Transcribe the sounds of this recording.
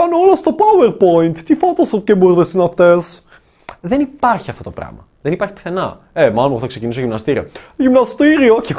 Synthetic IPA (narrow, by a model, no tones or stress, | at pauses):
ɐnoolɐst̪o̞pɐweɾpo̞int̪ːifot̪osopcebuɾðesinɐft̪e̞s | ðenipɐɾçiɐft̪ot̪opɾɐ̰mɐ | ðenipɐɾçi̥pi̥θe̞nɐ̰ | emɐlomp̪θɐkse̞cinisoʝimnɐst̪iɾiɐ̰ʝimnɐst̪t̪iɾioçi